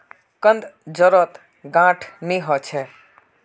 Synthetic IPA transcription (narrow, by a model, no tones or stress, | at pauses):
kənd̪d͡ʒəɾɔt̪ | ɡãʈʰniɦɔt͡ʃʰɛ